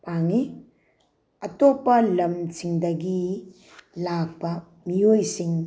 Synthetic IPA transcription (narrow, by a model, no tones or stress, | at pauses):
paŋi | ɐtopɐlɐmt͡ʃiŋdɐɡi | lak̚bɐ | miojsiŋ